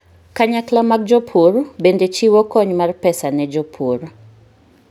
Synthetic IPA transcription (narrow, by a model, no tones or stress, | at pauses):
kaɲaklamak̚d͡ʒɔpʰurbendet͡ʃiwɔkɔɲmarpɛsanɛd͡ʒɔpʰur